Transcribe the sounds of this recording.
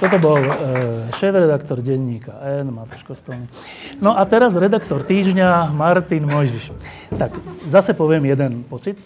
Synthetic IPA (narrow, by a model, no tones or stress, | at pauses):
t̪ɔt̪ɔbɔlʃɛːfɾɛd̪akt̪ɔɾɟɛɲːiːkaʔɛnmat̪u̥ʃkɔst̪ɔlni | nɔʔat̪ɛɾazɾɛd̪akt̪ɔɾt̪iːʒɲamaɾt̪inmɔjʒiʃ | t̪akzasɛpɔʋɪɛmjɛd̪ɛnpɔt͡sit̪̚